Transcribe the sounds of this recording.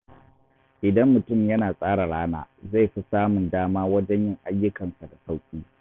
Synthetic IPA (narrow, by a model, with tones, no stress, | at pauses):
ʔɪ˨dɐ˦mːʊ˨tʊ˦˨mjɐ˦naː˨sʼaː˦ɽa˨ɽaː˦na̰ː˨za˦˨jɸi˦saː˦mʊ˨ndaː˦maː˦wɐ˦d͡ʒɛ˦ɲjɪ˦ŋʔa˦jːʊ˦kɐ˨nsa˨da˨sa˦wkʲʼiː˦